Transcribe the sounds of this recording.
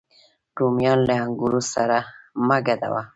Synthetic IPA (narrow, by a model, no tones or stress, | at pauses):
ɖ̥umjɑnleaŋɡuɾusaɾamaɡad̪a̰wa